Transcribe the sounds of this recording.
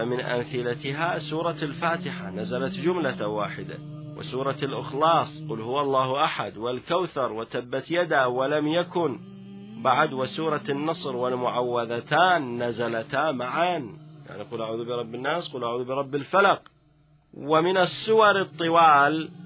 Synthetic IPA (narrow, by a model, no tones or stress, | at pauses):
amɪnʔa̰mθɪlat̪ɪɦasuːɾˤɑlfaːt̪ɪħanazalat̪d͡ʒʊmlawaːħɪd̪a̰wɪ̰suːɾˤɑlʔɪ̰xlɑːsˤquːlhʊwːʔɑlˤːɑːhʔaħad̪wɪlkawθɑɾˤwɪt̪abːat̪jad̪awɪlamjakʊn | baʕad̪wɪsuːɾˤɑnːɑsˤɾwɪlmʊʕawːaðat̪aːnːazalat̪hamaʕanja̰ʕniquːlʔaʕuːðubɪɾˤɑbːɪnːaːsquːlʔaʕuːðbɪɾˤɑbːɪlfalɑq | wɪmɪnɪsːʊwɑɾˤɨt̪ˤːɨwaːl